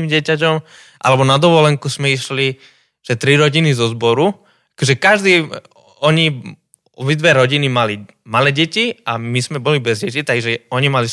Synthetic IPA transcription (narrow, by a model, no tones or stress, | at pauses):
imɟɪɛcac̬ɔm | ʔa̰lɛbɔnad̪ɔʋɔlɛŋkusmɛiʃli | ʒ̥ɛt̪ɾiɾɔɟinizɔzbɔɾu | akɔʒɛkaʒd̪iː | ɔɲi | ɔbid̪ʋɛɾɔɟinimali | malɛːɟɛciamizmɛbɔlibɛzɾɪɛt͡ʃit̪aiʒɛɔɲimali